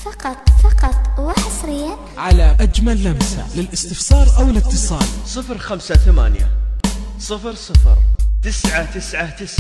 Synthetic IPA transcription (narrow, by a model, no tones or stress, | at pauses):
fɑqɑt̪ˤfɑqɑt̪ˤwɪħɑsˤɾɪjːa | ʕalaʔad͡ʒmalːamsa̰lɪlʔɪst̪ɪfsˤɑːɾˤʔawɪlɪt̪ːɨsˤɑːlsˤɨfɾxamsaθama̰ːnja̰sˤɨfɾsˤɨfɾt̪ɪsʕat̪ɪsʕat̪ɪs